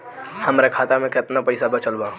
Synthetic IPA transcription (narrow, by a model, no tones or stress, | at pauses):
hɐmɾekʰaːt̪amẽkɪt̪napɐɪsabɐt͡ʃəlbaː